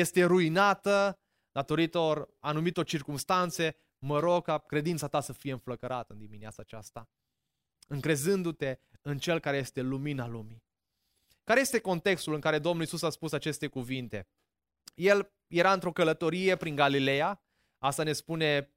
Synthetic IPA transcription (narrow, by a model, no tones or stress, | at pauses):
je̞st̪e̞ɾuinat̪ə | d̪̥at̪o̞ɾit̪o̞ranumit̪o̞rt͡ʃirkumst̪ant̪se̞ | məɾokakɾe̞d̪int̪sat̪asəfije̞ɨnfləkəɾʔat̪ɨnd̪iminiat̪saːt͡ʃast̪a | ɨŋkɾe̞zɨnd̪ut̪e̞ɨnt͡ʃe̞lkaɾeje̞st̪e̞luminalumi | kaɾeje̞st̪eko̞nt̪e̞kst̪ulɨŋkaɾe̞d̪o̞mnulisusaspusat͡ʃe̞st̪e̞kuvint̪e̞ | je̞l | je̞ɾaɨnt̪ɾo̞kələt̪o̞ɾije̞pɾiŋɡalile̞ja | ast̪ane̞spune̞